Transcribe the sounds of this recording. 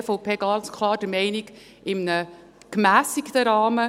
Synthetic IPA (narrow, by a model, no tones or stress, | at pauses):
foʊpʰeːɡɑnt͡skʰlˠɑːɾd̥əmɛɪniɡ | ɪmnə | kmæːsikt̪əɾɑːmə